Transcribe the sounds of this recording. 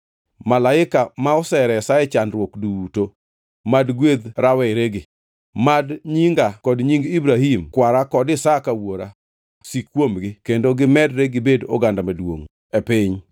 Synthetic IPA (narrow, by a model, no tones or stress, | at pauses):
malaɪkamaɔsɛɾɛsaɛt͡ʃanɾwokduto | madɡwed̪ɾawɛɾeɡɪ | madɲiŋɡakɔdɲiŋɡibɾaɦimkwaɾakɔdɪsakawoɾa | sikːwomɡɪkendoɡɪmɛdɾeɡɪbedo̰ɡandamadwo̰ŋ | ɛpɪɲ